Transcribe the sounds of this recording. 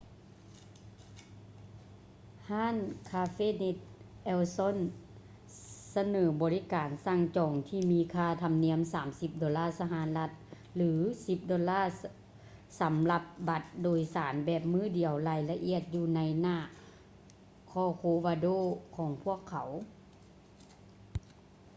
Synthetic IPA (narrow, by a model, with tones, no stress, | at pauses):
haː˧˥˨nkʰaː˧feː˥˨ne˧t̪̚ʔɛː˧wsɔ˧˥˨n | sa˧nɤː˩˦bɔː˨li˦kaː˨˩nsa˧˩˨ŋt͡ɕɔː˨˩ŋt̪ʰiː˧˩miː˧kʰaː˧˩t̪ʰa˧mni˧˥əmsaː˩˦msi˧˦p̚dɔː˨˦laː˥˩sa˧ɦaː˨˦nla˧t̪̚ | lɯː˩˦si˧p̚dɔː˨˦laː˧˥˩ | sa˨˦mla˧p̚ba˧˦t̪̚doː˨˩jsaː˩˦nbɛː˧˩p̚mɯː˧˥˩di˨˩əwlaː˧˩jla˧ʔi˧˩˨ət̪̚juː˧na˧˥jnaː˧˥˩ | kʰɔː˧˩kʰoː˧˦ʋaː˧doː˧˥˨kʰɔː˨˦ŋpʰu˧˥˩əkʰːa˨˩˦w